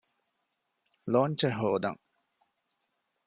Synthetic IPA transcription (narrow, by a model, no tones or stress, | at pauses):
loːɲt͡ʃɐɦoːd̪ɐ̰ŋ